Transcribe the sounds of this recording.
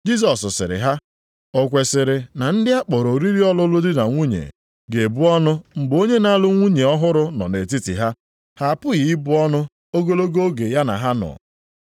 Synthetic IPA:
d͡ʒi˦s̬ɔ˨ssɪ̰˨ɾɪ̰˨ɦa˦ | ɔ˨kʷe˨sɪ˨ɾɪ˨na˨n̩˦dɪ˦a˦k͡pɔ˨ɾo˨ɾi˦ɾi˦ɔ˦lʊ˦lʊ˦dɪ˦na˨ŋʷu˦ɲḛ˨ | ɡe˨bʊ˦ɔ˦nʊ˦ŋ͡m̩˨ɡ͡bo˦ɲe˦na˦lʊ˦ŋʷu˦ɲe˨ɔ˦ɦʊ˦ɾʊ˦nɔ̰˨ne˨ti˦tḭ˨ɦa˦ | ha˦˨pʊ˦ɣi˦bʊ˦ɔ˦nʊ˦ | o˦ɡo˦lo˦ɡo˦o˦ɡe˨ja˦na̰˨ɦa˦nɔ̰˨

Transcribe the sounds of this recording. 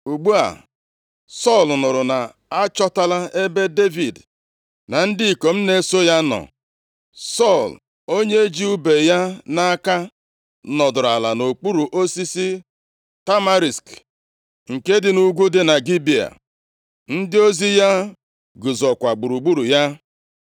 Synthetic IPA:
u˨ɡ͡bu˦a̰˨ | sɔ˦˨lnʊ˨ɾʊ˨na˨ | a˦t͡ʃɔ˦ta˦la˦e˦be˦de˦vi˨d | na˨n̩˦dɪ˦˨ko˨m̩˦ne˦so˦ja˦nɔ̰˨ | sɔ˦˨l | o˦ɲe˦e˦d͡ʒi˦u˦be˨ja˦na˦ka˦ | nɔ˨dʊ˨ɾa˨la˨no˨k͡pu˦ɾu˨ʔo˦si˦si˦ | ta˦ma˦ɾi˨sk | ŋ̩˨ke˦dɪ˨nu˦ɡʷu˦dɪ˨na˨ɡi˦bi˨a̰˨ | n̩˦dɪ˦o˦zi˦ja˦ | ɡʊ˨zɔ˨kʷa˨ɡ͡bu˨ɾu˨ɡ͡bu˦ɾu˨ja˦

